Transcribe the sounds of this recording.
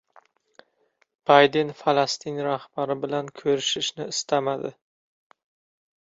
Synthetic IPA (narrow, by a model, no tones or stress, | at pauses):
b̥ajd̪enfalast̪ʰinɾahb̥aɾɪbɪlankʲʰɵɾɪʃɪʃnɪɪst̪ʰamad̪ɪ̰